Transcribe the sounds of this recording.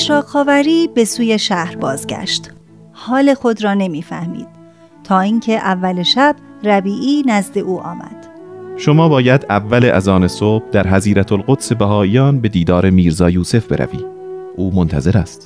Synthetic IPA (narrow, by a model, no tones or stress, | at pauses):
ʃɾɒːxɒːvæɾiːbe̞suːje̞ʃæhɾbɒːzɟæ̰ʃt̪ | hɒːle̞xo̞d̪ɾɒːne̞miːfæhmḭːd̪̥̚ | t̪ʰɒːiːŋcʰeʔævːæleʃæb̥̚ræbiːʔiːnæzd̪e̞ʔuːʔɒ̰ːmæ̰d̪̥ | ʃomɒːbɒːjæd̪ævːæleʔæzɒːnesob̥̚d̪æɾɦæziːɾæt̪ʰolɢot̪se̞bæɦɒːijɒːnbe̞d̪iːd̪ɒːɾe̞miːɾzɒːjuːse̞fb̥e̞̰ɾæ̰vḭː | ʔuːmont̪ʰæze̞ɾæst̪